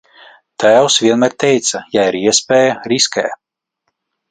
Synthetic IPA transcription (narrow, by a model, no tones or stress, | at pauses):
t̪ʰæːwsvʲiɛnmæɾt̪ɛjt̪sɐjaiɾiɛspɛːjɐɾiskʲɛː